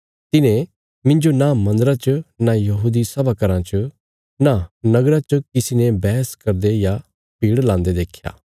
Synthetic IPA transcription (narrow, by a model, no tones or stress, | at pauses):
t̪ɪnẽ | mɪ̃ɲd͡ʒonãmɐ̃nd̪ɾat͡ʃənajɐɦuːd̪isɐbakɐɾãt͡ʃə | nanɐɡɾat͡ʃəkɪsinebɛːskɐɾd̪eja | piːɽlãːnd̪ed̪eːkʰja̰ː